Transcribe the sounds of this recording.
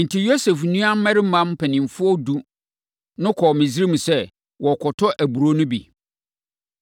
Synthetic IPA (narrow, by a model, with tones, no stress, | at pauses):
n̩˨tʰi˨jo˦se˨fnũ˦a˦m̩˦mɛ˦ɾɪ˦m̩˦mã˦mpʰɛ˨nɪ̃˨m˨fʊ˦ɔ˦du˦ | nʊ̃˦kʰɔ˨mɪ̃˨si˦ɾi˦mũ˨sɛ˦ | wɔ˨kʰɔ˨tʰɔ˦ʔæ˨bu˨ɾo˦nʊ̃˦bḭ˨